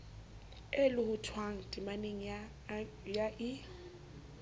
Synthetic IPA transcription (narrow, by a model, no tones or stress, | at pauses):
elʊhʊtʰwaŋ̩dʼimaneŋ̩ | jaʔɪ